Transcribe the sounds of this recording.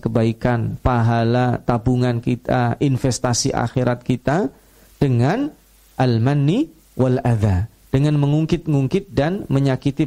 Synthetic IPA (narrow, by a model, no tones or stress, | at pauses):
kəbaikanpaɦalat̪abuŋankit̪a̰ʔinfɛst̪asiʔa̰xiɾat̪̚kit̪a | d̥əŋan | ʔalmanːi | walad̪a | d̥əŋanməŋuŋkɪt̪̚ŋuŋkɪt̪̚danməɲakit̪i